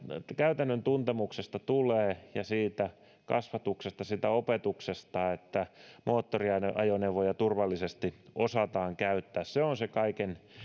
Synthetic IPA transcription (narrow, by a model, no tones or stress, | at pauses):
kæyt̪ænːønt̪unt̪emuksest̪ɑt̪uleːjɑsiːt̪æ | kɑ̰sʋɑt̪uksest̪ɑsiːt̪æopet̪uksest̪ɑet̪ːæmoːt̪ːoriɑnɑjoneʋojɑt̪urʋɑlːisest̪iosɑt̪ɑːŋkæyt̪ːæːsseonsekɑiken